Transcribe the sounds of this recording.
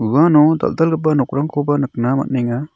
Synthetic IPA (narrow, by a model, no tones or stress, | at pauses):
uwanɔd̪a̰ld̪alɡɯpanɔk̚ɾaŋkʰɔbanɨk̚nama̰t̚nɛŋa